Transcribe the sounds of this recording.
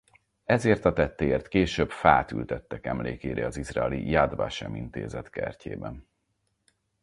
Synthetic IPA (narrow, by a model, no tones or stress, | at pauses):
ɛzeːrt̪ɒt̪ɛt̪ːeeːrt̪keːʃøːbfaːt̪y̰lt̪ɛt̪ːɛkɛmleːkeːɾeɒzizraɛlijad̪va̰ʃɛmint̪eːzɛt̪kɛrcʰeːbɛn